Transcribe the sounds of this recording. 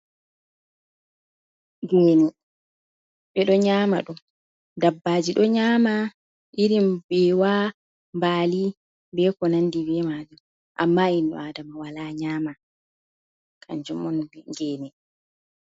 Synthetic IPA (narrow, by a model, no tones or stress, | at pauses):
ɡɛːnɛ | ɓɛɗɔɲaːma̰ɗum | dabːaːd͡ʒiɗɔɲaːma | ʔiɾimbɛwa | mbaːli | bɛkɔnandibɛmad͡ʒum | ʔa̰mːainɔ̰adamawalaɲaːma | kʰa̰ɲd͡ʒɔmɔnbɛɡɛːnɛ